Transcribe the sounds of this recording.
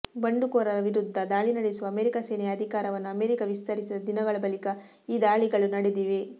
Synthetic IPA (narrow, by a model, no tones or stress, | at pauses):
bɐɳɖukoːɾɐɾɐʋiɾud̪ʱːɐd̪aːɭinɐɽesuʋɐmeːɾikaseːnɛjɐd̪ʱikaːɾɐʋɐnːuɐmeːɾikɐʋist̪ɐɾisid̪ɐd̪inɐɡɐɭɐbɐlikɐ | iːd̪aːɭiɡɐɭunɐɽed̪iːʋe